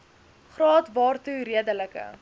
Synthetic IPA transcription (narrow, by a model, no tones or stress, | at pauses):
χrɑːtvɑːrtuɾiədələkə̰